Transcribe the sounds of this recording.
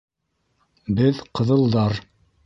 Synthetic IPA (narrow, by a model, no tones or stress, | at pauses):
bɘðqɤ̆ðɤ̆lˠd̪ɑɾ